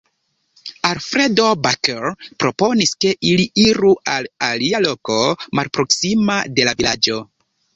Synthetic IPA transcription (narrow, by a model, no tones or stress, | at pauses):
alfɾe̞do̞bakeɾpɾo̞po̞niske̞ʔiliiɾualalialo̞ko̞malpɾo̞ksimade̞lavilad͡ʒo̞